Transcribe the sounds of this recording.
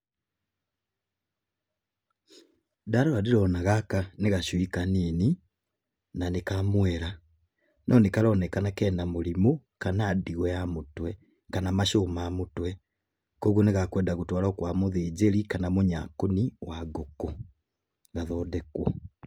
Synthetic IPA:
daɾoɾadiɾonaɣakaneɣaʃwikaniːni | nanekamwɛɾa | nʔɔnikalɔnɛkanakɛːnamulimu | kanaːdiɣwejamutwe | kanamaʃoːmamutwɛ | koɣuneɣakwɛːndaɣutwaːlɔːkwamuðeːd͡ʒeɾikanamuɲa̰kuniwaɡoko | ɣaðɔdekwɔ

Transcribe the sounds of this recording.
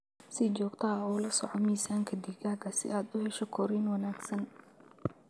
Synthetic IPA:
sɪt͡ʃɔːɡt̪ʰɐɔːlɐsɔ̰ʕɔmiːsaːŋkʰɐd̪iɡaːɡɐsɪ̰ʔaːd̪ʊhɛʃɔkʰɔɾiːnwɐnaːɡsɐn

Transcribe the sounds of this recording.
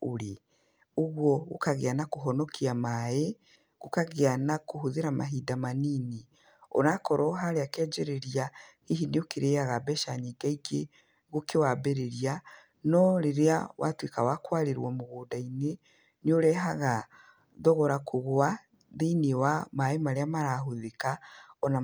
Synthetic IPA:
oɾe | oɣwɔɣo̰kaɣeanakoɦɔnɔkʰiamaje | ɣokaɣeanakoɦoðeɾama̰ɦidamaniːne | o̰nakɔɾɔɦaɾeakɛd͡ʒeɾeɾiahiɦineokeɾeaɣabɛʃaɲiːɡaiɡe | ɣokewabeɾeɾia | nɔɾeɾeawa̰twekawakwaɾeɾwɔmoɣoːdaine | neoɾɛɦaɣa | ðɔɣɔɾakoɣwa | ðeiniwamaemaɾeamaɾaɦoðekaɔna

